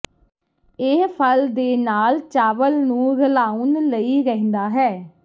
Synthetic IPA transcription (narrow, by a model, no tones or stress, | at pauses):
epʰəld̪eːnaːlt͡ʃaːʋəlnũːɡəlaːuːnləiːɾəɦɪ̃nd̪aːɦɛː